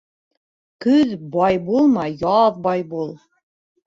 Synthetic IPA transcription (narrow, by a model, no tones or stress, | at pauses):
kɵðbɑjbulˠmɑjɑðbɑjbulˠ